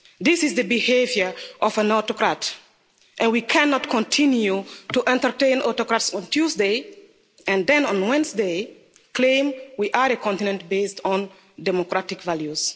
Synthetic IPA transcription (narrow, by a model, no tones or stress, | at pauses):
d̪isɪzðəbihevjə˞ʔɔfãnɔtɔkɹat | ʔɛ̃nwikʰɛnɔtkʰɔ̃ntʰĩnjutuʔɛ̃ntə˞tẽɪ̃nɔtɔkɹatsɔ̃ntʰjuzde | ɛ̃ndɛ̃nɔ̃nwɛ̃nsde | klẽɪ̃mwiʔaɾekʰɔ̃ntinɛ̃nt̚bestɔ̃n | dɛmɔkɹatɪkvaljus